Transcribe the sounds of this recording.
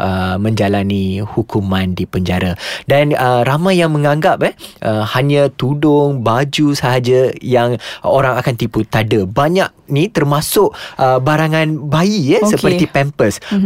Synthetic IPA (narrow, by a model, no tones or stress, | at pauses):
ʔəmə̃ɲd͡ʒalanihukumãndipəɲd͡ʒaɾadanəɾamãjjaŋmə̃ŋãŋɡap̚ɛhʔəhaɲãt̪udʊŋbad͡ʒusaɦad͡ʒajaŋoɾaŋakant̪iput̪adəbaɲak̚nĩt̪ərmasʊʔʔəbaɾaŋãnbaijɛssəpərt̪ipɛmpəs